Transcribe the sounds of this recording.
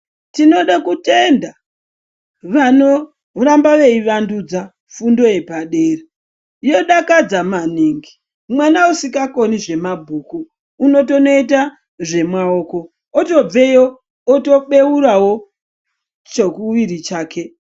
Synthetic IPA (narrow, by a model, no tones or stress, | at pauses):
tino̞ɗakute̞nda | ʋano̞ | rambaʋe̞iʋandud͡za | fundo̞je̞paɗe̞ːre | jo̞ɗakad͡zamaniːŋɡi | mwanausikako̞niʐe̞mabʱuːkuː | no̞t̬o̞noit̬a | ʐe̞mwao̞ːko̞ | oto̞b͡ve̞joː | to̞ɓe̞uɾawo̞ | t͡ʃokuʋiɾit͡ʃaːke̞